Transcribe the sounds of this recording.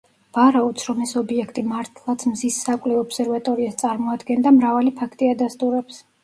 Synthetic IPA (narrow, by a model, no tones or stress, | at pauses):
v̥aɾaɔt̪sʰɾɔmɛsɔbiɛkʰt̪ʼimaɾt̪ʰlˠat̪sʰmzisːakʼlɛɔpsɛɾvat̪ʼɔɾiast̪sʼaɾmɔad̪ɡɛnd̪amɾavalipʰakʰt̪ʼiad̪ast̪ʼuɾɛps